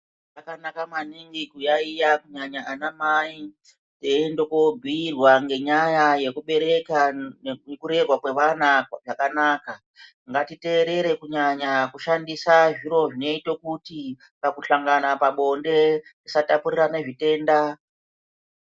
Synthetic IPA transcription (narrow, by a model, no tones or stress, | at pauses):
akanakamaniŋɡikujaijakuɲaɲaʔanamai | tendokobʱiːrwaŋɡe̞ɲajaje̞kuɓe̞ɾe̞kaekuɾe̞rwakwe̞ʋanaʐakanaːka | ŋɡatite̞ːɾe̞ɾe̞kuɲaɲakuʃandisaʐiɾo̞ʐino̞itokuti | kakuɬaŋɡanapaɓo̞nde̞ndisatapuɾiɾane̞ʐite̞ːnda